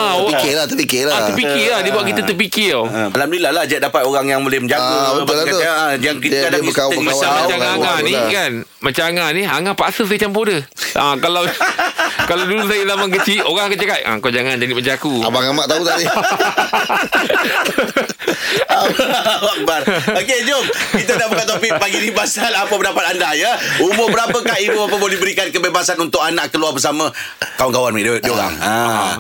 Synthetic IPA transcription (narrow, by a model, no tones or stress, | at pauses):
apikelaht̪əpikelaaəpikilahdibuaʔ̚kit̪at̪əp̬ikiaalam̚nilahlahd͡ʒat̚dapat̪oɣaŋjaŋbolɛhməɲd͡ʒaət̪əlaoad͡ʒaŋkitadaəkaəmat͡ʃamat͡ʃaŋaŋanĩkan | mat͡ʃaŋanĩaŋapa̰səs̬ajət͡ʃampodə | akalaw | kalawdulusajəlamaŋkət͡ʃiʔoɣaŋkat͡ʃakat̪̚ʔa̰kad͡ʒaŋand͡ʒadiməɲd͡ʒakua̰baŋamaʔt̪aut̪adi | awak̚baroked͡ʒomkit̪̬ənabəkat̪t̪̬opiʔ̚paɡinibasalapəpəndapat̪andajəumʊbəɾapəkahibubapəbodibəɾikankəbebasanunt̪ʊkanaʔkəluarbəs̬amə̃ | kawankawanidioɣa̰ŋa